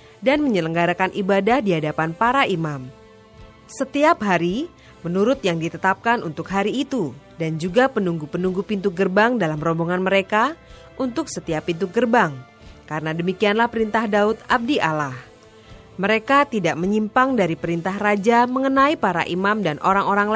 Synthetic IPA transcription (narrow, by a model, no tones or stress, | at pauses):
danməɲələŋɡaɾakanʔibadahdiɦadapanpaɾaʔimam | sət̪iap̚ɦaɾi | mənuɾʊt̪̚jaŋdit̪ət̪ap̚kanʔunt̪ʊkɦaɾiːt̪u | dand͡ʒuɡapənuŋɡupənuŋɡupint̪uɡərbaŋdalamrɔmboŋanməɾeka | ʔunt̪ʊksət̪iapːint̪̬uɡərbaŋ | kaɾənadəmikianlahpəɾint̪ahdaʊt̪̚ab̚diʔalah | məɾekat̪idaʔməɲimpaŋdaɾipəɾint̪ahrad͡ʒaməŋənaipaɾa̰ʔimamdanʔoɾaŋoɾaŋ